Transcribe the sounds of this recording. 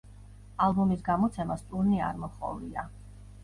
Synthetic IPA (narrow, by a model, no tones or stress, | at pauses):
alˠbɔmisɡamɔt̪sʰɛmast̪ʼuɾnia̰ɾmɔχɔ̰lia